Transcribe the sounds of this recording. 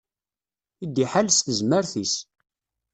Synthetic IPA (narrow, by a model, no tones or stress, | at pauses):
id̪ːiħalsθəzməɾθis